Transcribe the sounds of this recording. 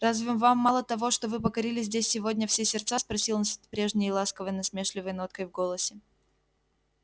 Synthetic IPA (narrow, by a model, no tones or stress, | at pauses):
razvʲɪmvamːalˠət̪ɐvo̞ʂt̪ovɨpəkɐɾʲilʲɪzʲzʲdʲesʲsːʲɪvo̞dʲnʲəfsʲesʲɪrt̪saspɾɐsʲilˠnsʲt̪ʲpɾʲe̞ʐnʲɪjəlˠaskəvəjnɐsmʲeʂlʲɪvəjno̞t̪̚kəjvɡo̞lˠəsʲɪ